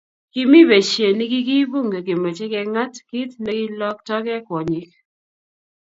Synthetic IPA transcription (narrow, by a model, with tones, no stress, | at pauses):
kɪ˦mi˦be˨t͡ʃje˨ni˦ɡɪ˦ɡi˦bu˦ŋɡe˨ɡɪ˨mɔ˨t͡ʃɛ˦kɛ˦ŋa˦tki˦t̪nɛ˦ɡɪ˦lɔ˦k̚tɔ˦ɡɛ˦kwɔ˨ɲi˦k